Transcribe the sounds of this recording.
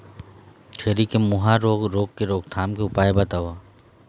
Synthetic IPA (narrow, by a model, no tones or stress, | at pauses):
t͡ʃʰeːɾikemʊɦaɾoːɡɾoːɡkeɾoːɡt̪ʰaːmkeʊpaːjebɐt̪aːʋaː